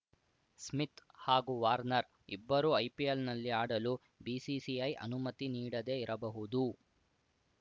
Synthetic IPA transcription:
smit̪haːɡuʋaːɾnɐɾ | ibːɐɾuɐjpielnɐlːiaːɽɐlu | biːsisiɐjʔɐ̰numɐt̪iniːɽɐd̪e̞iɾʔɐbɐɦud̪u

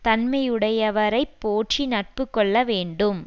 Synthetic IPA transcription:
t̪ɐnmɐjɯɽɐjɐʋɐɾɐɪpːoːʈt͡ʃinɐʈ̚pɯkːɔɭːɐʋeːɳɖɯm

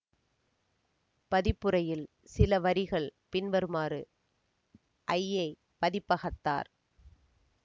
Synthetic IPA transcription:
pɐðɪpːɯɾɐjɪl | sɪlɐʋɐɾɪɣɐɭpɪnʋɐɾɯmaːɾɯ | ʔɐjːɐɪ | pɐðɪpːɐɣɐt̪ːa̰ːɾ

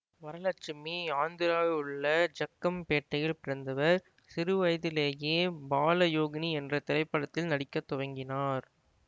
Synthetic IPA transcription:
ʋɐɾɐlɐt͡ʃːɪmːiaːnd̪ɪɾaːɯɭːɐd͡ʒɐkːɐmpeːʈːɐjɪlpɪɾɐnd̪ɐʋɐɾ | sɪɾɯʋɐjðɪleːjeːbaːlɐjoːɣɐniɛndrɐt̪ɪlɐɪpːɐɽɐt̪ːɪlnɐɽɪkːɐt̪ːɔʋɐŋɡɪnaːɾ

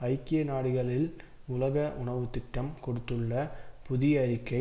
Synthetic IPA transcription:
ɐɪkːɪjɐnaːɽɪɣɐɭɪl | ʊlɐɣɐʔʊɳɐʋɯt̪ːɪʈːɐmkɔɽɯt̪ːɯɭːɐpʊðɪjɐɾɪkːɐɪ

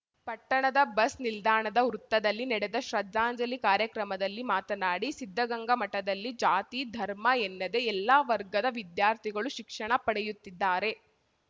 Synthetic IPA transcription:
pɐʈːɐɳɐd̪ɐbɐsnild̪ʱaːɳɐd̪ɐɾut̪ːɐd̪ɐlːinɛɽed̪ɐʃɾɐd̪ːaːɲd͡ʒɐlikaːɾjɐkɾɐmɐd̪ɐlːimaːt̪ɐnaːɽisid̪ʱːɐɡɐŋɡɐmɐʈːɐd̪ɐlːid͡ʒaːt̪iːd̪ʱɐɾmɐenːɐd̪e̞ɛlːaʋɐɾɡɐd̪ɐʋid̪jaːɾt̪ʰiɡɐɭuʃikʂɐɳɐpɐɽejut̪ːid̪ːaːɾe̞

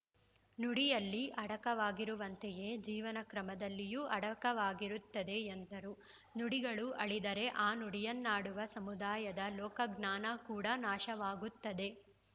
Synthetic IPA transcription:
nuɽijɐlːiʔɐɽɐkɐʋaːɡiɾuʋɐnt̪eje̞ːd͡ʒiːʋɐnɐkɾɐmɐd̪ɐlːijuʔɐɽɐkɐʋaːɡiɾut̪ːɐd̪e̞end̪ɐɾu | nuɽiɡɐɭuʔɐɭid̪ɐɾe̞ʔaːnuɽijɐnːaːɽuʋɐsɐmud̪aːjɐd̪ɐlɔːkɐɡnaːnɐkuːɽɐnaːʃɐʋaːɡut̪ːɐd̪e̞

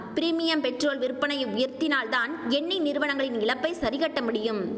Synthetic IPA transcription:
pɪɾiːmɪjɐmpɛʈroːlʋɪɾɯpːɐnɐjɐʊjɐɾt̪ɪnaːlt̪aːnɛɳːinɪɾɯʋɐnɐŋɡɐɭɪnɪɭɐpːɐɪsɐɾɪɣɐʈːɐmʊɽɪjɯm

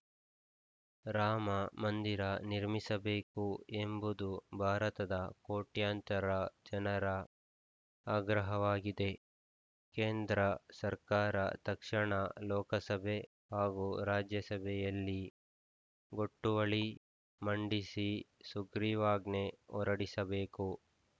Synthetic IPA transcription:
ɾaːmɐmɐnd̪iɾɐniɾmisɐbeːkuembud̪ubʱaːɾɐt̪ɐd̪ɐkoːʈjaːnt͡ʃɐɾɐd͡ʒɐnɐɾɐ | aːɡɾɐɦɐʋaːɡid̪e̞ | keːnd̪ɾɐsɐɾkaːɾɐ̰t̪ɐkʂɐɳɐlɔːkɐsɐbʱe̞ | haːɡuɾaːd͡ʒjɐsɐbʱɛjɐlːi | ɡoʈːuʋɐɭi | mɐɳɖisisuɡɾiʋaːɡne̞ɔ̰ɾɐɽisɐbeːku

